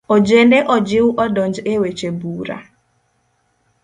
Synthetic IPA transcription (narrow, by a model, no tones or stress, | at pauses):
ɔd͡ʒendeʔɔd͡ʒɪwʔɔdɔɲd͡ʒewet͡ʃebuɾa̰